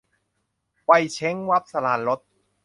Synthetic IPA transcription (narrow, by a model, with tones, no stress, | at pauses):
pa˧jt͡ɕʰe˦˥ŋwa˦˥p̚sa˧laː˧˩nɾo˦˥t̪̚